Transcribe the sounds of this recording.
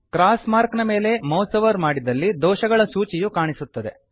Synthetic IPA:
kɾaːsmaːɾknɐme̞ːle̞mɐwsɐʋɐɾmaːɽid̪ɐlːid̪ɔːʃɐɡɐɭɐsuːt͡ʃijukaːɳisut̪ːɐd̪e̞

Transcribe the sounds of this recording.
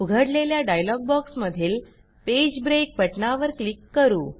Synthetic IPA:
uɡʱəɽleljaɖajlɔɡ̚bɔksməd̪ʱiːl | ped͡ʑbɾek̚bəʈɳaʋəɾklikːəɾuː

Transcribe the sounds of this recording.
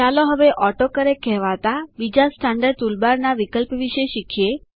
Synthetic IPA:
t͡ʃalõɦəʋeʔɔʈokəɾekʰɛɦʋat̪abid͡ʒasʈʰãɳɖəɾt̪ulbaɾnaʋikəlpʋiʃeʃikʰije

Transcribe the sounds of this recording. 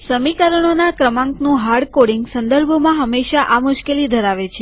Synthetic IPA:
səmikəɾəɳ̃onakɾəmãŋknũɦaɾɽkoɽiŋɡsənd̪əɾbʱmãɦəmːeʃaʔamʊʃkelid̪ʱəɾaʋet͡ʃʰe

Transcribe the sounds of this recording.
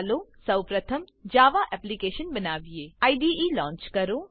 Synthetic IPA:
loːsɐwpɾət̪ʰəm | d͡ʒaːʋaʔɛːplikeːʃənbɐnaːʋieːaiɖiiːlɔ̃ːɲt͡ʃkɐɾoː

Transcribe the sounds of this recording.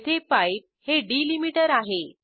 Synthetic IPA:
t̪ʰepaiʈ̚heɖilimiʈəɾaɦe

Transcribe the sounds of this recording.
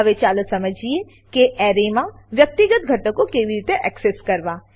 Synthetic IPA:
ʋet͡ʃaːlsɐməd͡ʒʱie | keʔɛːɾemãʋjɐk̚t̪iɡət̪ɡʱɐʈõkokeibiɾiːt̪eʔɛːkseskɐɾʋaː

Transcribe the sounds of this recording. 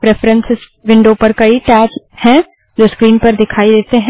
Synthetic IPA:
pɾeːfɾə̃nsɪs | ʋɪ̃ɳɖoːpəɾkɐiʈɛːt͡ʃ | hɛ̃ | d͡ʒoːskɾiːnpɐɾd̪ɪkʰaːid̪eːt̪eɦɛ̃

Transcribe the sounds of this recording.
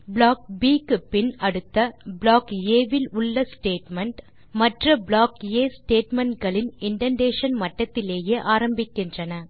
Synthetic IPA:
bɭaːk̚biːkːɯpɪnɐɽɯt̪ːɐbɭaːkeːʋɪlʊɭːɐsʈeːʈmɐɳʈ | mɐʈrɐbɭaːkeːsʈeːʈmɐɳʈɡɐɭɪnɪɳɖɐɳɖeːʂɐnmɐʈːɐt̪ːɪleːjeːʔaːɾɐmbɪkːɪndrɐnɐ

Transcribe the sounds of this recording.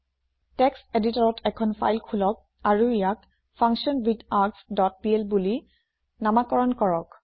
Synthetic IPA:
tɛksteditɔɹɔtʰɛkʰɔnpʰa̰jlkʰulɔk̚ | aɹuijak | pʰaŋksiɔnbitaɹksdɔt̚piɛlbuli | namakɔɹɔnkɔɹɔk

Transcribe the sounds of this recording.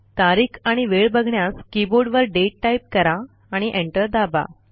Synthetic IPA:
t̪aɾiːkʰaɽ̃iʋeɭbəɡʱɳjaskiboɾɖʋəɾɖeʈːajp̚kəɾaː | ɽ̃iʔeɳʈəɾd̪aba̰

